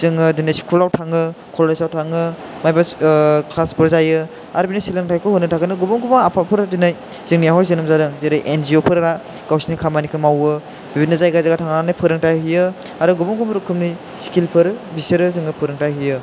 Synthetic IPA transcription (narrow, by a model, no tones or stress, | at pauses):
z̥ɯŋɯdinajsi̥kʰulawtʰaŋɯ | kʰolesawtʰaŋɯ | majbaklaspʰɯɾzajɯ | aɾbinasilaŋtʰajkʰɯhunːɯtʰakɯnɯɡubɔŋɡubaŋapʰapʰɯɾadinaj | z̥ɯŋnijaɦɔjzɯnɯmzaɾɯŋzeɾɯjʔenziopʰɯɾɾa | ɡ̥awsinikʰamanikʰɯmawɯ | bibinːɯzajɡazaɡatʰaŋanajpʰɯɾɯŋtaɦijɯ | aɾɯɡubɔŋɡumɾukʰːɯmni | skʰilpʰɯɾbisɯɾɯzɯŋɯpʰɯɾɯŋtaɦijɯ